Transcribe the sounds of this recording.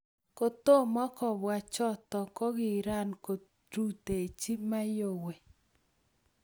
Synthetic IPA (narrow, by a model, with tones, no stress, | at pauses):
ko˨t̪o˦˨mɔ˦kɔ˨bwa˨t͡ʃɔ˦t̪ɔ˨kɔ˦ɡɪ˨ɾa˦˨nko˨ | ɾu˦te˨e˨t͡ʃi˦ma˦jo˨we˨